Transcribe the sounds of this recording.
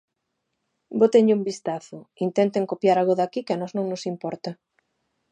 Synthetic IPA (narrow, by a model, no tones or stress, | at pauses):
bot̪eɲʎumbist̪aθʊint̪ɛnt̪eŋkopjaɾaɣoðakikeanɔznõŋnʊsimpɔɾt̪a